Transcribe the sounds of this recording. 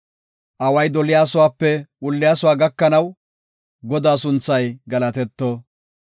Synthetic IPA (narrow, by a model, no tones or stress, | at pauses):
ʔɐwɐjd̪ɔlɪjaːsʊwaːpːɛʔʊlːɪjaːsʊwaːɡɐkːɐnɐw | ɡɔd̪aːsʊnt͡sːɐjɡɐlɐt̪ɛt̪ːoː